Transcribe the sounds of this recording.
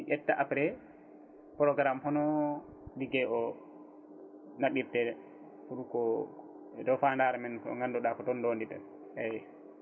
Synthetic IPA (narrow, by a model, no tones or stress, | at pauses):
iʔɛtːaʔapɾɛ | pɾɔɡɾamhɔnɔ | diɡɛʔɔ | naɓiɾtɛ | fuɾukɔ | ɛdɔfandaɾɛmɛnkɔ̰ŋɡandɔɗakɔtɔndondiɗɛ̰n | ɛjɛ